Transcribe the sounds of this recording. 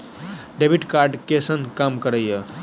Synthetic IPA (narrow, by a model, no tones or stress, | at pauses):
ɖebiʈkaɾɖkesənkamkəɾəjə